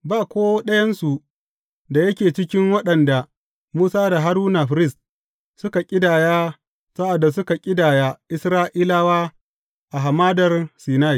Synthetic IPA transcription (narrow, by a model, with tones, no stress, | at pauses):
baː˦kʷoː˦ɗɐ˦jɐ˦nsu˨ | da˨jɐ˦kʲeː˨t͡ʃɪ˦kʲɪ˦ŋwɐ˦ɗɐ˨nda˨ | muː˦saː˦da˨ɦa˦ɾuː˦na˨ɸɾɪ˦s | sʊ˦ka˨kʲʼɪ˦daː˨jaː˦ | sa˦ʔa˨dːa˨s̬ʊ˦ka˨kʲʼɪ˦daː˨jaː˦ʔɪ˦sɾaː˦ʔiː˦laː˦waː˦ | ʔa˨ɦa˨maː˦dɐ˨rsiː˨na˦i˨